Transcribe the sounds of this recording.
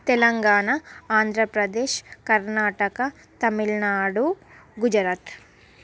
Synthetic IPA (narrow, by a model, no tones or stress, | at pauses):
t̪ɛlɐŋɡaːɳɐaːnd̪ʱɾɐpɾɐd̪eːʃkɐɾnaːʈɐkɐ | t̪ɐmilnaːɽuɡud͡ʒɐɾaːt̪